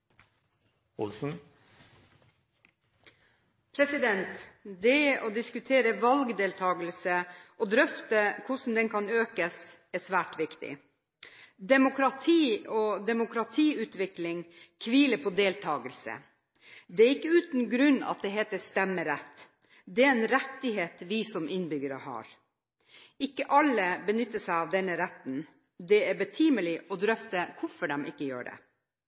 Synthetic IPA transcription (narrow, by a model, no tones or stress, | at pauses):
ʊ̰lsn̩ | pʰɾɛsɪd̪ɛnt̪d̪ɛʔɔd̪ɪskʉt̪ʰeːɾəʋɑlɡd̪eːlt̪ʰɑːɡəlsəʔɔd̪ɾœft̪əkʰʊsn̩d̪ɛnkʰɑnøːkəs | æsʋæːʈʋɪkt̪ɪ̰ | d̪ɛmʊkɾɑt̪ʰiːɔd̪ɛmʊkɾɑt̪ʰiːʉːt̪ʋɪklɪŋkʰʋiːləpʰɔd̪eːlt̪ʰɑːɡəlsə̰ | d̪ɛæɾɪkːəʉːt̪n̩ɡɾʉnːɑ̰t̪̚d̪ɛɦeːt̪əst̪ɛmːəɾɛt̪ː | d̪ɛæɾɛnɾɛt̪ːɪheːt̪ʋɪsɔmʔɪnbʏɡəɾəhɑ̰ːɾ | ɪkːəʔɑlːəbənʏt̪ːəsæɪɑʋd̪ɛnːəɾɛt̪n | d̪ɛæɾbət̪ʰiːməlɪʔɔd̪ɾœft̪əkʰʊɾfɔɖɛmɪkːəjø̰ːɖɛ̰